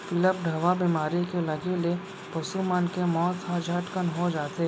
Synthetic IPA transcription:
pɪləp̚ɖʱɐʋabiːmaːɾikelɐɡele | pɐʃumaːnkemɔːt̪had͡ʒʱəʈkənɦod͡ʒaːt̪e

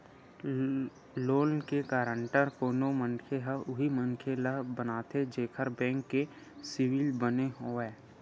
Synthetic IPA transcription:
loːnkekaːɾəɳʈəɾkoːnomə̃nkʰeɦəʊɦiməŋkʰeləɦbənaːt̪ʰed͡ʒeːkʰəɾbɛ̃ːŋkːe | sɪwɪlbəneɦoːɛː

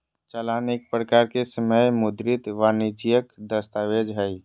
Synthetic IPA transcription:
t͡ʃəlanek̚pɾəkaɾkesəməjmʊd̪ɾit̪ʋanit͡ʃijəkd̪əst̪awed͡ʒɦəj

